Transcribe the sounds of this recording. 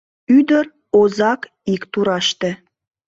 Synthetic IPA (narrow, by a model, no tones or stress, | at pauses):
yd̪əɾ | ozɑk | ikt̪uɾɑʃt̪ĕ